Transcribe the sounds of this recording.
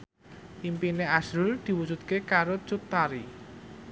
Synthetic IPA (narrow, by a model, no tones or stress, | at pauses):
ʔimpineasɾʊld̪̥i̤wu̥d͡ʒṳt̪̚kekaɾot͡ʃut̪ːaɾi